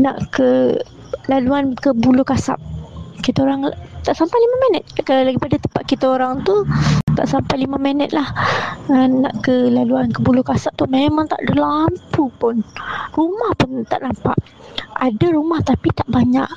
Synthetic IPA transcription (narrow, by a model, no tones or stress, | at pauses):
naʔkə | laluankəbulʊkasa̰p̚kit̪aoɾaŋt̪aʔsampajlimamɛnət̪̚kalalaɡipadat̪əmpat̪̚kit̪aoɾaŋt̪ut̪a̰ʔsampajlimamɛnət̪̚lahəna̰ʔkəlaluankəbulʊkasap̚t̪umemãŋt̪a̰ʔdəlampupʊnrumahpʊnt̪a̰ʔnampa̰ʔ | a̰daɾumaht̪apit̪aʔbaɲaʔ